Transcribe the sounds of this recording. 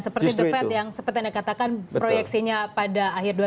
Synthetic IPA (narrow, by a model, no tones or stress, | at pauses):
nsəpərt̪idəfɛt̪jaŋsəpərt̪iandakat̪akanpɾojɛksiɲapadaːɦɪrdua